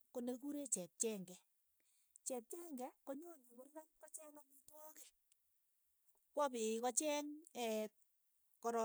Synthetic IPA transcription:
konek̬uɾet͡ʃɛp̚t͡ʃɛŋɡɛ | t͡ʃɛp̚t͡ʃɛŋɡɛkɔɲoɲikʊrɣankɔt͡ʃɛŋamitwɔkɛ | kwɔpɪkɔt͡ʃɛŋɛ | kɔɾɔ

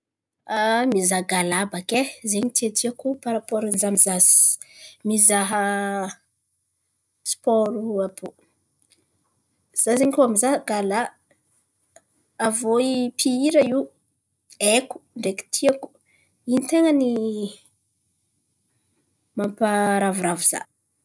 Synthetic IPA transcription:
amizaɡalabakezeɲit̪iat̪ʰiakupaɾapoɾənizamizazi̥mizaɦə | spɔɾuabo | z̥azeɲikoamizaɡala | voipʰiiɾəiw | eku̥ɳɖ͡ʐeki̥t̪ʰiaku̥ | init̪eŋəni | mampaɾavuɾavuz̥a̰

